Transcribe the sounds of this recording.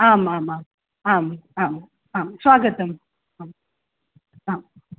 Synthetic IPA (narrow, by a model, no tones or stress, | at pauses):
aːmaːmaːm | aːmaːm | aːmswaːɡət̪ɐm | aːm | aːm